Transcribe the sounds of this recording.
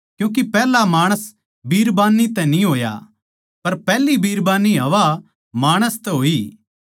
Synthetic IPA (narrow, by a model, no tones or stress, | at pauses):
kjũːk̬ipɛːlamaːɽ̃əs | bʱiːɾbaːnːit̪ɛ̃nĩɦoːja̰ | pɐɾpɛːlibiːɾbaːniɦɐʋa | maːɽ̃əst̪ɛɦoːiː